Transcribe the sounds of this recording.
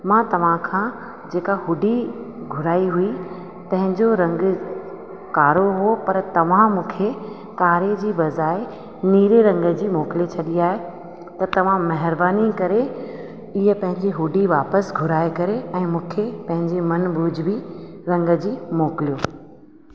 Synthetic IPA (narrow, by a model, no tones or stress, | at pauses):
mãːt̪ɐʋ̤ãkʰã | d͡ʑeːkaɦʊɖiɡʱʊɾaːiɦui | t̪ɐ̃ɦɪ̃ɲd͡ʑoɾɐ̃ŋɡ | kaːɾoɦuopɐɾt̪ɐʋ̤ãmũːkʰe | kaːɾed͡ʑiːbɐzaːe | niːɾeɾɐ̃ŋɡə̆d͡ʑiːmoːkɪlet͡ɕʰɐɗiaːɦe | t̪ɐt̪ɐʋ̤ãmɐɦɪɾbaːnikɐɾe | ɪɦəpɐ̃ɦɪ̃ɲd͡ʑiɦʊɖiʋaːpəsɡʱʊɾaːekɐɾeɛ̃ːmũːkʰepɐ̃ɦɪ̃ɲd͡ʑimɐnbʱʊd͡ʑʱbiɾɐ̃ŋɡəd͡ʑiːmoːkɪlijoː